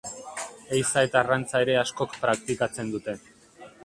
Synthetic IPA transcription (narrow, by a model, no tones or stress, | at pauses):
ejsae̞t̪arant͡saeɾe̞asko̞kpɾakt̪ikat͡se̞nd̪ut̪e̞